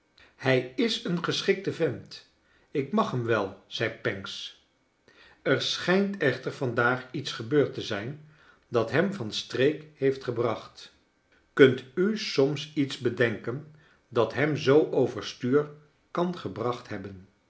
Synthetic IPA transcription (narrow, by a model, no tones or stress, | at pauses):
hɛjɪsənχəsχɪk̚təvɛnt | ɪkmɑχɦəmʋɛlˠz̥ɛjpɛŋks | əɹsχɛjntɛχtəɹv̥ɑndaːχitsχəbøːɹtəzɛjn | dɑtɦɛmvɑnstrejkhejftχəbrɑχt | kɵntysɔmsitzbədɛŋkən | dɑtɦɛmzowʔowvəɹstyːɹ | kɑnχəbrɑχtɦɛbən